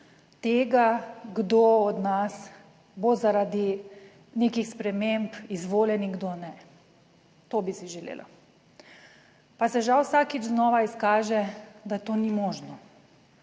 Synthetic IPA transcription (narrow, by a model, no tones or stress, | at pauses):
t̪eːɡaɡd̪oɔd̪nas | bozaɾad̪i | nekixspɾɛmempizʋoːlɛniŋɡd̪onɛ | t̪oːbisiʒɛlḛːlʔa̰ | pasɛʒawsaːkid͡ʒznɔːʋaiskaːʒɛd̪at̪oːnimɔːʒnɔ